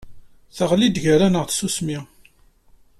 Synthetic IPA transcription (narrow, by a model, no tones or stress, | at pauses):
θəʁlid̪ʝəɾanəʁθsusmi